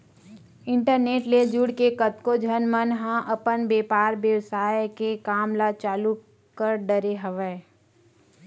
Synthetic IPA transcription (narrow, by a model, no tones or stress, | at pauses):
ɪ̃ɳʈəɾneːʈled͡ʒʊɽkekət̪kod͡ʒʱənmənɦãʔəpənbeːpaːɾbjəwsaːjekekaːmlat͡ʃaːlu | kəɾɖəɾeɦəʋɛː